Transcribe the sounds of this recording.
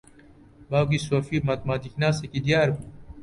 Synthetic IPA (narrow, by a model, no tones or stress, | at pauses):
baːwkisoːfiːmɐt̪̚maːd̪iknaːsekid̪ijaːɾbu